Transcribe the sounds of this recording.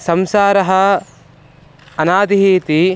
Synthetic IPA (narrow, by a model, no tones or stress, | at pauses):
sɐmsaːɾɐɦɐ | ɐnaːd̪iɦiːt̪i